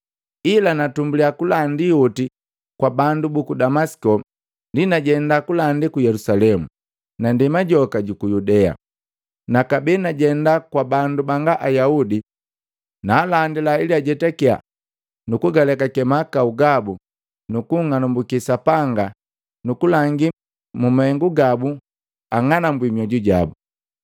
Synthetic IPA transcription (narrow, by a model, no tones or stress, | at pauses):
ilanatumbuliakulandiuti | kwabandubukudamasi̥kɔ | ndinaɟɛndakulandikujɛlusalɛmu | nandimaɟɔkaɟukujudɛa̰ | nakabinaɟɛndakwabandubaŋɡaʔajaudi | naːlandilailiaɟɛtakia̰ | nukuɡalɛkakɛmakauɡabu | nukuŋanumbukisapaŋɡa | nukulaŋɡi | mumaɛŋɡuɡabu | aŋanambwimiɔɟuɟabu